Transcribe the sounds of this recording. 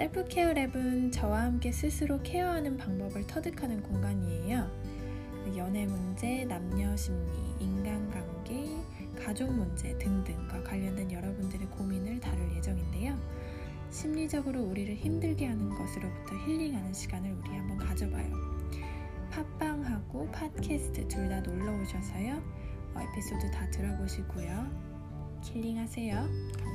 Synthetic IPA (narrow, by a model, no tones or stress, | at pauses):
t͈epʰɯkʰeɯɾe̞bɯnt͡ɕʌwahamk͈e̞sʰɯsʰɯɾokʰe̞ʌɦanɯnpaŋbʌbɯɭtʰʌdɯkʰanɯnkoŋɡaɲie̞jʌ | jʌne̞mund͡ʑe̞namɲʌɕʰimɲḭːnɡanɡaŋɡe | kad͡ʑoŋmund͡ʑe̞tɯŋdɯŋɡwakwaʎːʌndwe̞njʌɾʌbundɯɾekominɯɭtaɾɯɭje̞d͡ʑʌŋinde̞jo | ɕʰimɲid͡ʑʌɡɯɾouɾiɾɯɭçimdɯɭɡeɦanɯnɡʌsʰɯɾobutʰʌçiʎːiŋɦanɯnɕʰiɡanɯɾuɾiɦambʌnkad͡ʑʌba̰jo̰ | pʰap͈aŋɦaɡ̥opʰat̚kʰesʰɯ̥tʰɯtuɭdanoɭːʌoɕʰʌsʰʌjʌ | ʌḛpʰis͈odotatɯɾʌboɕʰiɡ͈ujo | kʰiʎːiŋɦasʰe̞jo